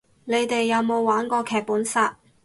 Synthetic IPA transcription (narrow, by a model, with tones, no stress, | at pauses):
ne˨˧jt̪e˨jːɐ˨˧wmo˨˧wːaː˨˥nkɔː˧kʰɛː˨k̚puː˨˥nsaː˧t̚